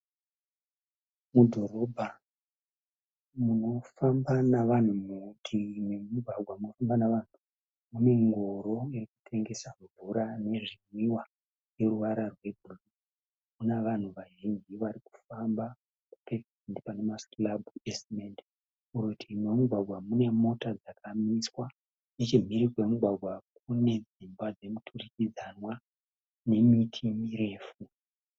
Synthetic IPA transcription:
mudʱo̞ɾo̞bʱa | muno̞fambanaʋan̤umutʰimemuɡʱwaɡʱwamunofambanaʋan̤u | mune̞ŋɡo̞ɾo̞irku̥tʰe̞ŋɡe̞samuvʱuɾane̞ʐimwiwa | je̞ɾuʋaɾarwe̞bʱulu | muneʋan̤uʋaɦiŋɡiʋaɾiku̥famba | kupek | endipane̞masklabʱuesmend | uɾotʰinwemuɡʱwaɡʱwamune̞mo̞tad͡zakamiswa | it͡ʃim̤ʱiɾikwe̞muɡʱwaɡʱwakune̞d͡zimbwad͡ze̞mutʰurikid͡zanwa | ne̞mitʰimiɾe̞ːfu

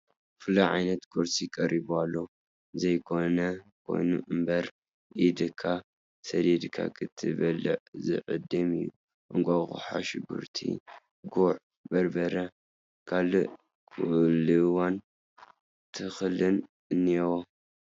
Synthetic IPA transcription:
fɨlaʕa̰jnɐt̪kʰoɾsikʼɐɾiβualːo | zɐjkʰo̞nɐkʰo̞̰jnuʔɨmbɐɾ | ʔid̪ɨkʰːa | sɐd̪ed̪kʰa̰kʰɨt̪ʰːɨβɐlɨ̰ʕzɨ̰ʕɨ̰d̪ːɨmɨjːu | ʔɨŋɡʷʼaɣṵħa̰ʃɨɡṵɾt̪ʰḭ | ɡuʕ | bɐɾbɐɾɐ | kʰalɨ | kʼʰlɨwan | t̪ʰɨxɨlɨn | ɨnewo

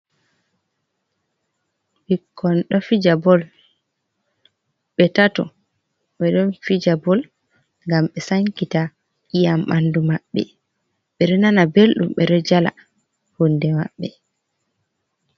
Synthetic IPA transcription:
bikʰːɔnɗɔfid͡ʒabɔl | ɓɛtatɔ | ɓɛɗɔnfid͡ʒabɔl | ŋɡamɓɛsaŋkita | ʔijamʔandumaɓːɛ̰ | ɓɛɗɔnanabelɗṵmɓɛɾɔd͡ʒala̰ | hondɛma̰ɓːɛ

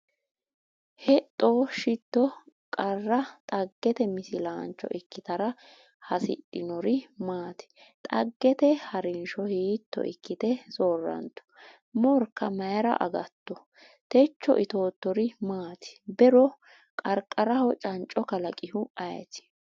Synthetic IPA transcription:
hɛt̪ʼoːʃːɪt̪ːɔkʼɐrːɐt̪ʼɐɡːɛt̪ɛmɪsɪlaːnt͡ʃːɔ̰ʔɪkːɪt̪ɐɾɐ | hɐsɪ̰ᶑʼːɪnɔɾɪmaːt̪ɪ̥t̪ʼɐɡːɛt̪ɛhɐɾɪnʃɔhiːt̪ːɔ̰ʔɪ̰kːɪt̪ɛsoːrːɐ̰nt̪ːɔ̥ | mɔɾkːɐmɐjɐɾɐ̰ʔɐ̰ɡɐt̪ːɔ | t̪ɛt͡ʃːɔ̰ʔɪt̪o̞ːt̪ːɔɾɪmaːt̪ɪ̥bɛɾɔ | kʼɐɾkʼːɐɾɐhɔt͡ʃʼɐnt͡ʃʼɔkɐlɐkʼɪhʊɐjɐ̰t̪ɪ̥

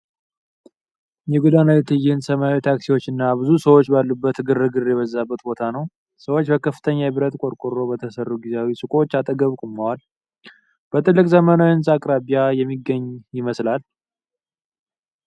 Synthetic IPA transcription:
jɛɡud̪anajɛt̪ʰɨjːɪnsəmajawit̪ʰaksiwo̞t͡ʃːɨnːabɨzusəwo̞t͡ʃːbalːubːət̪ɡɨrɨɡɨrːjɛβəzːabːət̪bo̞t̪ʰanəw | səwo̞t͡ʃːbəkʰəfːɨ̥t̪ʰəɲːabɨɾət̪kʼoɾkʷʼoro̞bət̪ʰəsərːuɡizeawisɨkʼot͡ʃːat̪ʼəɡəβkʼʊmːawal | b̥ət̪ʼɨlːɨkʼzəmənawɪnsʼakʼɾabijajɛmːiɡːəɲːjɪməslal

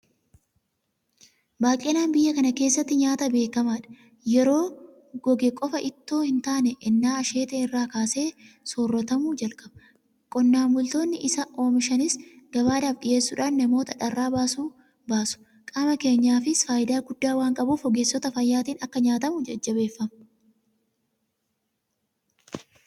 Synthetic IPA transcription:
baːkʼeːlaːnbɪjːɐkɐnɐke̞ːsːɐt̪ːɪɲaːt̪ɐbe̞ːkɐmaːᶑɐ̥ | jɛɾo̞ː | ɡɔɡɛkʼɔfɐʔɪt̪ːo̞ːhɪnt̪aːnɛʔɪnːaːɐʃe̞ːt̪ɛɪrːaːkaːse̞ː | sɔrːɐt̪ɐmud͡ʒɐlkʼɐbɐ | kʼɔnːaːnmʊlt̪o̞ːnːɪʔɪsɐo̞ːmɪʃɐnɪsɡɐβaːᶑaːfɗɪjeːsːʊᶑaːnːɐmo̞ːt̪ɐᶑɐrːaːbaːsuː | baːsʊ̥ | kʼaːmɐke̞ːɲːaːfɪsfaːjɪd̪aːɡʊd̪ːaːwaːŋkʼɐbuːfɔɡe̞ːsːɔt̪ɐfɐjːaːt̪iːnɐkːɐɲaːt̪ɐmʊd͡ʒɛd͡ʒːɐbe̞ːfːɐm

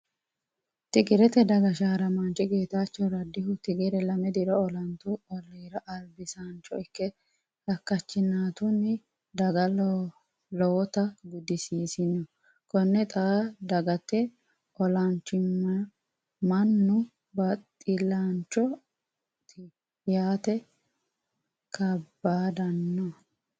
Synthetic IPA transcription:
t̪ɪɡɪɾɛt̪ɛd̪ɐɡɐʃaːɾɐmaːnt͡ʃɪɡeːt̪aːt͡ʃːɔɾɐd̪ɪhʊt̪ɪɡɪɾɛlɐmɛd̪ɪɾɔɔlɐnt̪ʊɔlːeːɾɐʔɐlbɪsant͡ʃːɔ̰ɪkːɛ | hɐkːɐt͡ʃːɪnaːt̪ʊnːɪ | d̪ɐɡɐl | lɔwɔt̪ɐɡʊd̪ɪsiːsɪnɔ | kɔnːɛt̪ʼad̪ɐɡɐt̪ːɛ | ʔɔlɐnt͡ʃːɪmɐ | mɐnːʊ | bɐt̪ʼːɪlant͡ʃːɔ | t̪ɪ | jaːt̪ɛ | kʰɐbːaːd̪ɐnːɔ

